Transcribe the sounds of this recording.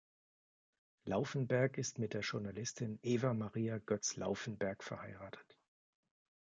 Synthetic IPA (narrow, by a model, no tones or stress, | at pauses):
laʊfn̩bɛɐkɪstmɪt̚d̥eːɐʒʊɐnalɪstʰɪnʔeːvamaʁiːaɡ̥œt͡sla̰ʊfn̩bɛɐkfɛɐhaɪʁaːtʰə̥t